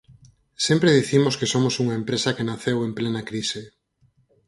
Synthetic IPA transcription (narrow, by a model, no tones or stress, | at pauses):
sempɾeðiθimoskesomosuŋaempɾesɐkenaθewemplenakɾise